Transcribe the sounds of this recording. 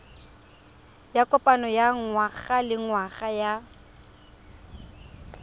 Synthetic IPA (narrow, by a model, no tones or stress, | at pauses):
jakʼɔpʼanɔjaŋwaɣalɪŋwaɣaja